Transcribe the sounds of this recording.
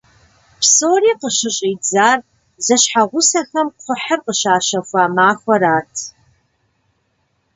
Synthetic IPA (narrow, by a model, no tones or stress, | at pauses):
psoːriːqəʃɨɕʼiːd͡zaːr | zɐɕħaʁʷʊsɐxɐmχʷʊħərqəʃaːʃɐxʷaːmaːxʷɐɾaːtʰ